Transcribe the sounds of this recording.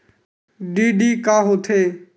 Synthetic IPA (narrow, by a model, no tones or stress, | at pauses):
ɖiːɖiːkaːɦoːt̪ʰeː